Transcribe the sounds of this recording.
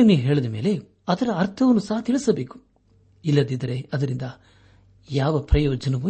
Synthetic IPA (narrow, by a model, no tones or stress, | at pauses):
niːʋuɦe̞ːɭɐd̪ɐme̞ːle̞ | ɐd̪ɐɾɐːɾt̪ʰɐʋɐnːusɐɦɐt̪iɭisɐbe̞ːku̥ | ilːɐd̪id̪ɐɾe̞ɐd̪ɐɾind̪ɐ | jaːʋɐpɾɐjɔːd͡ʒɐnɐʋu